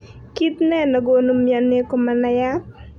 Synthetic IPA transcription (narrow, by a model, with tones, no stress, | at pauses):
ki˦t̪nɛ˦nɔ˨ɡo˨no˦mja˨ne˦ko˨ma˨na˦ja˦t̚